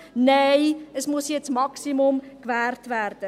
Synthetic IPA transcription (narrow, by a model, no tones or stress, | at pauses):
neɪəsmusjɛt͡smɑksimʊmkʋæːrtʋæːrd̥ə